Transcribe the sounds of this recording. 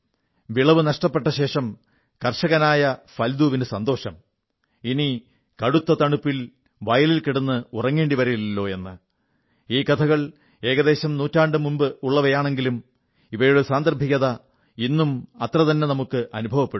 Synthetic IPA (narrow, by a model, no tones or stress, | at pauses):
ʋiɭɐʋɨnɐʂʈɐpːe̞ʈːɐɕe̞ːʂɐm | kɐrʂɐɣɐnaːjɐfɐld̪uːʋinesɐnd̪o̞ːɕɐm | ini | kɐɽut̪ːɐt̪ɐɳupːil | ʋɐjɐlilkiɽunːɨurɐŋːe̞ːɳɖiʋɐɾɐjilːo̞ːe̞nːɨ | iːkɐt̪ʰɐɣɐɭ | e̞ːɣɐðe̞ːɕɐmnuːtːaːɳɖɨmumbɨuɭːɐʋɐjaːɳe̞ŋɡilum | iʋɐjoɽesaːnd̪ɐrbʱikʲːɐðɐ | inːumɐt̪rɐt̪ɐnːe̞nɐmukːɨʔɐnubʱɐʋɐpːeɽu